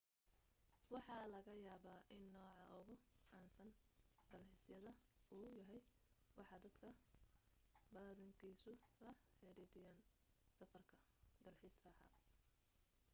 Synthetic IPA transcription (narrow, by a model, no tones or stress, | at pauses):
wɑħɑːlɐɣɐjaːβaːʔɪnːɔːʕɑʔʊɣʊʕɑːnsɐnd̪̥ɐlħɪsjɐðɐuːjɐɦɛj | wɑħɑːd̪ɐd̪̥kʰɐ | bɐːðɐŋkʰiːsʊlɐħɛɾɛd̪ɪjaːn | sɐfɐrkʰɐ | d̪̥ɐlħiːsrɑːħɑ̰